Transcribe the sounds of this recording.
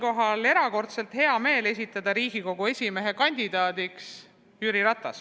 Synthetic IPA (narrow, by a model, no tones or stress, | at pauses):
ko̞ɦɑle̞ɾɑko̞rt̪se̞lt̪he̞ɑme̞ːle̞s̬ʲit̪ːˑɑd̪̥ɑɾiːɡ̥iko̞ɡ̥ue̞sʲime̞ɦe̞kɑnʲd̪̥id̪̥ɑːd̪iks | jyːɾiɾɑt̪ˑːɑs